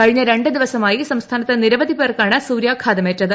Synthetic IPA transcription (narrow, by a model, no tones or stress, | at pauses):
kɐɻiɲːɐɾe̞ɳɖɨd̪iʋɐsɐmaːjisɐmst̪ʰaːnɐt̪ːeniɾɐʋɐðipeːrkaːɳɨsuːɾjaːkʰaːd̪ɐmeːtːɐðɨ